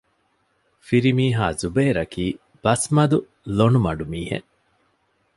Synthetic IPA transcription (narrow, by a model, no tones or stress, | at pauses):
fiɾimiːɦaːzubeːɾɐkʰiː | b̥ɐsmɐd̪u | loɳumɐɖumiːhḛŋ